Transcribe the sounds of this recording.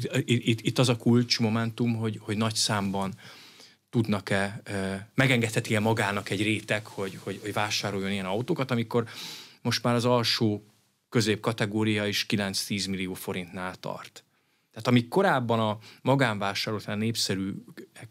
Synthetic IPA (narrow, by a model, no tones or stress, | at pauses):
it̪ːit̪ːɒzɒkult͡ʃmo̞mɛnt̪umɦo̞ɟho̞ɟnɒcsaːmbɒn | t̪ud̪nɒkɛ | mɛɡɛŋɡɛt̪hɛt̪iɛmɒɡaːnɒkɛɟreːt̪ɛkho̞ɟho̞ɟho̞ɟvaːʃaːɾo̞jːo̞nijɛnɒwt̪oːkɒt̪ɒmiko̞rmo̞ʃt̪maːɾɒzɒlʃoː | kø̞zeːp̚kɒt̪ɛɡoːɾijɒiʃkilɛnt̪st̪iːzmilijoːfo̞ɾint̪naːlt̪ɒ̰rt̪ | t̪ːɛːt̪ɒmiko̞ɾaːbːɒnɒmɒɡaːɱvaːʃaːɾolt̪aːnnːeːpsɛɾyːɛ